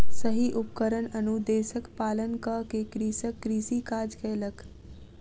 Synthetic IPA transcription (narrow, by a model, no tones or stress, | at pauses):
səɦiʔup̚kəɾənənud̪eːsəkpaːlənkəkekɾiːsəkːɾiːsikaːd͡ʒkeːlək